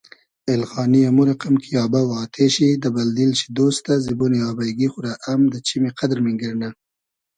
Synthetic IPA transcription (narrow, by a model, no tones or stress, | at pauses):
ɪlxɑːniamuɾaqamkʰijɑːbawɑːt̪ʰeʃid̪əbald̪ilʃi̥d̪ost̪azibunijɑːbajɡixʊɾaʔamd̪ət͡ʃimeqad̪ɾmɪŋɡəɾna